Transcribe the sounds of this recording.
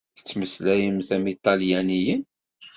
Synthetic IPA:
θə̥t͡sːməslæjəmθæmit̪ˤɑljænijən

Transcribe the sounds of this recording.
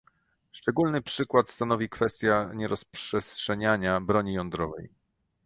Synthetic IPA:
ʂt͡ʂɛɡulnɘpʂɘkwat̪st̪anɔvʲikfɛst̪ʲjaɲɛɾɔspʂɛstʂɛɲaɲabɾɔɲijɔnd̪ɾɔvɛ̰j

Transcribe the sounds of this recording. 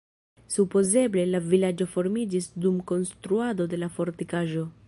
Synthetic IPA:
supo̞ze̞ble̞lavilad͡ʒo̞fo̞ɾmid͡ʒisdumko̞nstɾuado̞de̞lafo̞ɾtikaʒo̞

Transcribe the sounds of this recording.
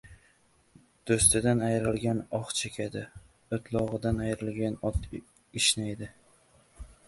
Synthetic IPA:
d̪̥ɵst̪ɪd̪anajɾɪlɡʲanɒχt͡ʃʰekʲʰad̪ɪ | ot̪ʰlˠɒʁɨd̪anajɾɪlɡʲanɒt̪ | ɪʃnajd̪ɪ

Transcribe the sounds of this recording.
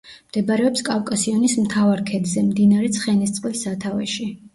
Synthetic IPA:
md̪̥ɛbɾɛɔpskʼavkʼasiɔnismt̪ʰavaɾkʰɛd̪zɛmd̪inaɾɛt̪sʰχɛnist̪sʼqʼwlisat̪ʰavɛʃi

